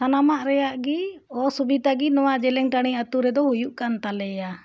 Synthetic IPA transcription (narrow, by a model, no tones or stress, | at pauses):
anamaʔɾɛjaʔɡiɔsubit̪aɡinɔwad͡ʒɛlɛŋʈaɽ̃iat̪uɾɛd̪ɔhujuʔkant̪alɛja